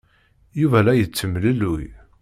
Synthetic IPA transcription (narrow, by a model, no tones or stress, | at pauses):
juvælæjət͡sːəmləluj